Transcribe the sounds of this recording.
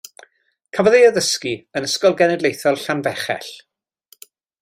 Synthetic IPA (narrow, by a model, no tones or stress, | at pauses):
kʰavɔðejəðəskiənəskɔlˠɡɛnɛdlˠejθɔlˠɬanvɛχɛ̰ɬ